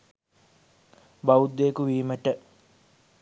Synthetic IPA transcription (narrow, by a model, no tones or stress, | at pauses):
baud̪ːeːkuʋiːməʈə